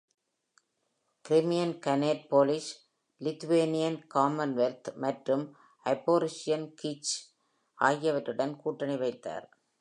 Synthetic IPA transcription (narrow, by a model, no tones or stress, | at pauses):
kɪɾɪmɪjɐnkɐneːʈ̚poːlɪʃ | lɪt̪ːʊʋeːnɪjɐnkaːmɐnʋɛlt̪ʰmɐʈrɯm | ɐɪpːoːɾɪsɪjɐnkit͡ʃ | aːjɐʋɐʈːɯɽɐnkuːʈːɐnɐɪʋɐɪt̪ːa̰ːɾ